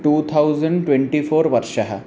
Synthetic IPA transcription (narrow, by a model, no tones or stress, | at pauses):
ʈuːt̪ʰawd͡zəɳɖʈwʋẽɳʈifoːɾʋəɾʂəɦa̰